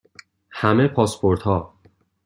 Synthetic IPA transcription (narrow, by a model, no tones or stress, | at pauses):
hæmepʰɒːspʰoɾt̪hɒː